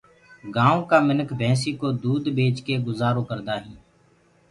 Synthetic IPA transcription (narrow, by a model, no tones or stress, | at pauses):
ɡãːõːkaːmɪnəkʰbʱɛ̃ːsiːkoːd̪uːd̪bʱeːt͡ʃkeːɡʊzaːɾoːkəɾd̪aːɦĩː